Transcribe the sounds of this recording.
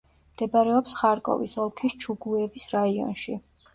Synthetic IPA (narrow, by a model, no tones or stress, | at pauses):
md̪ɛbaɾɛɔpsχaɾkʼɔ̰vḭsɔlˠkʰist͡ʃʰuɡuɛvisɾaiɔ̰nʃi